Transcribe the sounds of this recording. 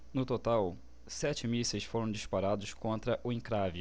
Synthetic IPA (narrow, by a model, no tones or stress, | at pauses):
nʊt̪ot̪aw | sɛt͡ʃɪmisɐsfoɾɐ̃w̃d͡ʒispaɾad̪ʊskõnt̪ɾɐʔʊĩŋkɾavi